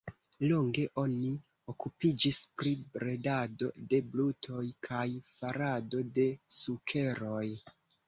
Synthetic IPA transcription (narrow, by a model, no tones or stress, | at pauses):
lo̞ŋɡe̞ʔo̞ni | o̞kupid͡ʒispɾibɾe̞dado̞̰de̞blutʰo̞jkʰajfaɾado̞de̞sukʰe̞ɾo̞j